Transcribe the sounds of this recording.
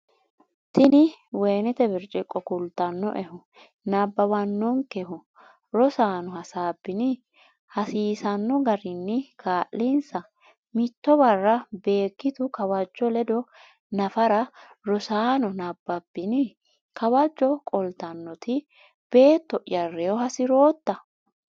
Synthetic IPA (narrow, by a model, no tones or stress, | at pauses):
t̪ɪnɪweːnɛt̪ɛbɪɾt͡ʃʼɪkʼːɔkʊlt̪ːɐnːɔ̰ʔɛhʊ | nabːɐwɐnːɔŋkɛhʊ | ɾɔsaːnɔhɐsaːbːɪnɪ | hɐsiːsɐnːɔɡɐɾɪnːɪkʰaːʔlinsɐ | mɪt̪ːɔbɐrːɐbe̞ːkːɪt̪ʊkɐwɐd͡ʒːɔlɛd̪ɔ | nɐfɐɾɐ | ɾɔsaːnɔnɐbːɐbːɪnɪ | kɐwɐd͡ʒːɔkʼɔlt̪ɐnːɔt̪ʰɪ | b̥e̞ːt̪ːɔʔjɐrːɛjɔhɐsɪɾoːt̪ːɐ